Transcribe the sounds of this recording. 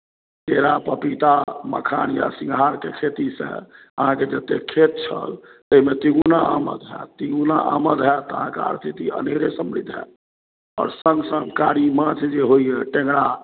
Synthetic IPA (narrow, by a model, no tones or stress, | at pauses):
keɾapəpit̪amə̰kʰa̰nja̰sĩŋɡɦaɾkekʰet̪isḛ̃ | əɦãked͡ʒət̪ːekʰet̪̚t͡ʃʰə̰lt̪əɦimet̪iɡunaamə̰d̪ɦɛ̰t̪iɡunaʔaməd̪ɦɛt̪ɔəɦãkḛa̰ɾt̪ʰit̪iə̰neɾesəmbɾḭd̪ʱɦɛ̰ | ɔ̰ːɾsəŋɡsə̃ŋkaɾimãt͡ʃʰd͡ʒeɦoiɛʈẽŋɡɽa